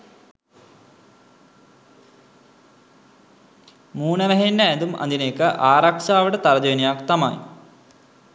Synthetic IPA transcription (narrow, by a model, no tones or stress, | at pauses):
muːnɐʋɐɦenːajnd̪umɐ̰nd̪ineːkːɐʔaːɾɐkʂaːʋɐɽɐt̪ɐɾɐd͡ʑojnijaːkt̪ɐma̰ːjḭ